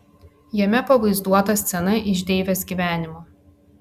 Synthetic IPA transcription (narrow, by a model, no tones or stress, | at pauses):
jɛmʲɛpɐʋɐɪzd̪uɔt̪ɐsʲsʲɛnɐʔɪʒd̪ʲeːʋʲesɡʲiːˑʋʲæːnʲɪmoː